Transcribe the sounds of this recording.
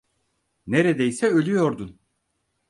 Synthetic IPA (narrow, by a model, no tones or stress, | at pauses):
neɾed̪ɛjsɛø̞lʲyjo̞ɾd̪un